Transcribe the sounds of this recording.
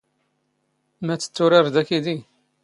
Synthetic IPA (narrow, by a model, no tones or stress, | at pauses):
mæt͡sːə̥t͡sːʊɾɪɾd̪ækid̪i